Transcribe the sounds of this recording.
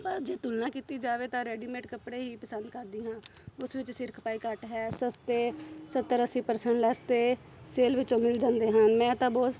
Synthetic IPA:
pəɾd͡ʒeːt̪ulnãːkiːt̪iːd͡ʒaːʋeːt̪ãːɾɛːɖiːmẽːʈkəpɽeːɦiːpəsənd̪kəɾd̪iːɦãːʊsʋɪt͡ʃsɪɾkʰpaːiːkəʈɦɛːsəst̪eːsət̪ːəɾəsiːpəɾsɛɳʈlɛːst̪eː | seːlʋɪt͡ʃːõːmɪld͡ʒãːnd̪eːɦənmɛ̃ːt̪ãːbɔːd̪

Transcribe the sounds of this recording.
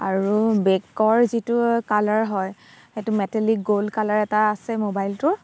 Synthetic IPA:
aɹubɛkːɔɹzitukalaɹɦɔj | xetumɛtelik̚ɡolkalaɹɛtaːsɛmobajltʊɹ

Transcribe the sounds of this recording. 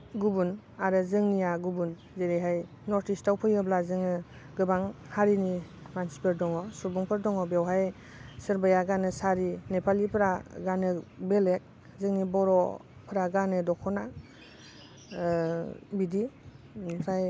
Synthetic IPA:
ɡubun | aɾɯzɯŋnijaɡubun | zeɾejɦaj | nɔɾtʰistawpʰɯjɯblazɯŋɯ | ɡɯbaŋhaɾini | mansi̥pʰɯɾdɔŋɔsubuŋpʰɯɾdɔŋɔbewɦaj | sɯɾbajaɡanɯsaɾinepʰalipʰɾaɡanɯbelek̚ | zɯŋnibɔɾɔ | pʰɯɾaɡanɯdɔkʰɔna | bidi | saj

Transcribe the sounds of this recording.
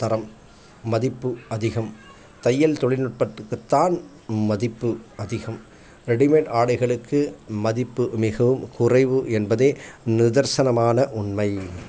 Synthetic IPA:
t̪ɐɾɐmː | ɐðɪpːɯɐðɪɣɐm | t̪ɐjːɐlt̪ɔɭɪnɯʈ̚pɐʈːɯkːɯt̪ːaːn | mɐðɪpːɯɐðɪɣɐm | ɾɛɽɪmeːʈaːɽɐɪɣɐɭɯkʰːɯmɐðɪpːɯmɪɣɐʋɯmkʊrɐɪʋɯʔɛnbɐðeːnɪðɐɾsɐnɐmaːnɐʔʊɳmɐɪ

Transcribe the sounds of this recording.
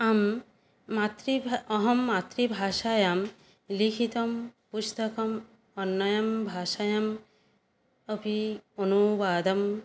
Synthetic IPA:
amː | at̪ɾiɔɦɔmːat̪ɾibʱaːʃajam | likʰit̪ɔmpust̪ɔkɔm | ɔnːʌjɐmbʱaːʃajɐm | ʌpionubaːd̪ɐm

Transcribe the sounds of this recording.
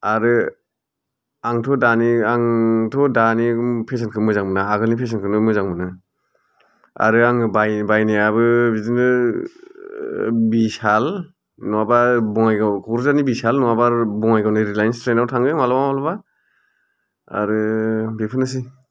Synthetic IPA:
aɾɯ | aŋtʰɔdaniaŋtʰɔdanipʰes̬ankʰɯmɯzaŋmɯnaaɡɯlnipʰes̬ɔnkʰɯnɯmɯzaŋmɯnɯ | a̰ɾɯaŋɯbajbajniabɯbidinɯ | bisal | nɔwabaɾbɔŋajɡakʰɔɾzanibisalnɔwabaɾbɔŋajɡawnɯɾilajnstɾendawtʰaŋɡɯmalabaalɔba | a̰ɾɯbepʰɯnɯs̬i

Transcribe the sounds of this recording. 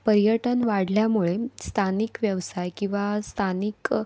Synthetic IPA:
pəɾijəʈənʋaɽljamuɭest̪ʰanikʋjəʋsajkĩw̃ʋast̪ʰanik

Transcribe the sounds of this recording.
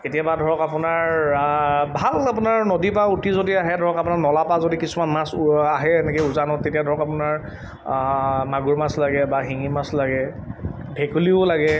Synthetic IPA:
ketijabadʱɔɹɔkapʊnaɹ | bʱalap̬ʊnaɹnodipautizodiaɦɛdʱɔɹɔkapʊnaɹnɔlapazodikisumanmasaɦɛɛnɛkeuzanɔtetijadʱɔɹɔkapʊnaɹ | maɡuɹmaslaɡɛbaɦiŋimaslaɡɛ | bʱekuliʊlaɡɛ

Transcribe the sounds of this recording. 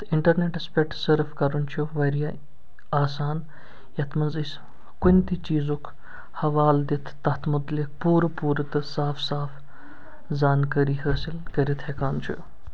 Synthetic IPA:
t̪ʰiɳʈɐɾneʈɐspeʈsəɾfkɐɾunt͡ʃʰuʋɐɾija | aːsaːn | jɐt̪ʰmɐnzisʲ | kunʲt̪it͡ʃiːzok | hɐʋaːld̪it̪ʰːɐt̪ʰmʊt̪lik̚puːɾpuːɾt̪ɨsaːfsaːf | zaːnkɐɾiːɦəːsilkɐɾit̪ʰhekaːnt͡ʃʰṵj

